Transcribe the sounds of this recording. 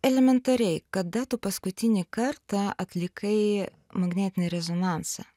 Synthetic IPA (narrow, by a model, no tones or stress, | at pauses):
ɛlʲɛmʲɛnt̪ɐɾʲɛɪkɐd̪ɐt̪uːpɐskʊt̪ʲɪnʲɪkɐɾt̪ɐɐt̪ʲlʲɪkʰɐɪ | mɐɡnʲæːt̪ʲɪnʲɪɾʲɛzonɑˑnsɐ̰